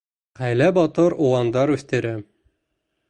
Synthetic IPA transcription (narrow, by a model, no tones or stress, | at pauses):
ʁæjlæbɒt̪ɤɾuwɑnd̪ɑɾʉθt̪ɘ̆ɾæ